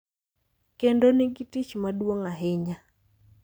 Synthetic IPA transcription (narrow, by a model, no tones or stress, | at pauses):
kendonɪɡitit͡ʃmadwoŋaɦɪɲa